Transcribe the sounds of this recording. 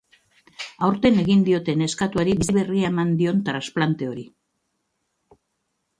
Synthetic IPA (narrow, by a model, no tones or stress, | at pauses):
awɾt̪e̞ne̞ɣind̪io̞t̪e̞ne̞skat̪uaɾiβiiβe̞riaemand̪io̞nt̪ɾansplant̪e̞o̞ɾi